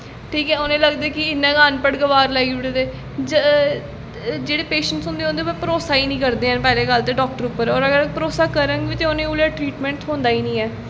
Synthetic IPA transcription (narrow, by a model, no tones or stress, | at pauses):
ʈʰiːkɛːʊnẽːləɡd̪eːkɪɪnːãːɡaːnpəɽɡəʋaːɾlɛːiʊɽeːd̪eː | d͡ʒ | d͡ʒeːɽeːpeːʃəɳʈsʊ̃nd̪eːɦõːnd̪eːbəpəɾoːsaːiːnĩːkəɾd̪eːɦɛ̃npɛːleːɡəlt̪eːɖɔːk̚ʈəɾuːpːəɾɔːɾəɡəɾpəɾoːsaːkəɾə̃ŋɡʋiːt̪eoːnẽːʊljaːʈɾiːʈmɛ̃ːɳʈɦõːnd̪aːiːnĩːɛː